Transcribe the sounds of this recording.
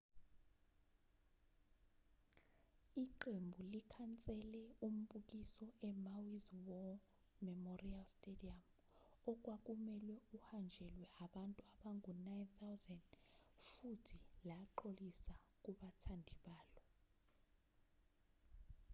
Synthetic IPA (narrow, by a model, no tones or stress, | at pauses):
iǃembʱulikʰant͡sʼɛlɛum̩ɓuk̬isɔʔɛmawizwɔ | mɛmorialstʼediam | ɔk̬ʼwak̬ʼumɛlwɛuhand͡ʒʱɛlwɛʔaɓantʼuaɓaŋʱunajnθawzɛndfutʰilaǃolisak̬ʼuɓatʰandʱiɓaːlɔ